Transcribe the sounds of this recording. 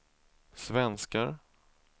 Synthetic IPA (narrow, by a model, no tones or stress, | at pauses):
svɛnskaɾ